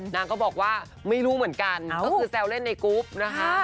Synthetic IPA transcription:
naː˦˥ŋkɔː˥˩bɔː˨˩k̚waː˥˩ | ma˥˩jɾuː˦˥mɯ˩˦ənka˧nkːkʰɯː˧sɛː˧wle˥˩nːa˧jkuː˦˥p̚na˦˥kʰa˦˥

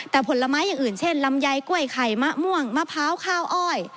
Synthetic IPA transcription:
t̪ɛː˨˩pʰo˨˦la˧maː˦˥jːaː˨˩ŋʔɯː˨˩nt͡ɕʰe˥˩nla˧mja˧jku˥˩əjkʰa˨˩jma˦˥ʔmu˥˩əŋma˧˥pʰaː˦˥wkʰaː˧˥˩wʔɔː˧˩j

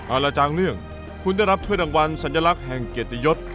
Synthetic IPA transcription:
ʔaː˧˩lɛː˧˩t͡ɕaː˧ŋlɯ˥˩əŋ | kʰu˧nda˥˩jɾa˦˥t̪ʰu˥˩˨j̚daː˧ŋwa˧nsa˨˩˦njaː˧la˦˥k̚ɦɛ˨˩ŋke˨˩t̪i˧jo˦˥t̪̚

